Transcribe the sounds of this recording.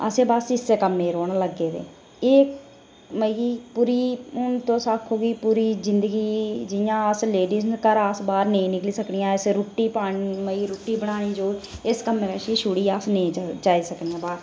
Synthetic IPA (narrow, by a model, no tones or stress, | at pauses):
ə̰sẽːbaːsɪsːeːkəmːeːɾoːɳːləɡːeːd̪ḛː | eːk | məiːpuːɾiːʊnt̪õːsaːkʰoːɡiːpuːɾiːzɪnd̪əɡiːd͡ʒɪjãːəsleːɖiːznkəɾaːsbaːɾnẽĩːnɪkliːsəknɪjãːɪsɾʊʈːiːpaːɳməiːɾʊʈːiːbəɽaːnĩːd͡ʒoːɪskəmːeːɾəːʃiːʃuːɽiːaːsnẽːt͡ʃaːiːsəknijãːbaːt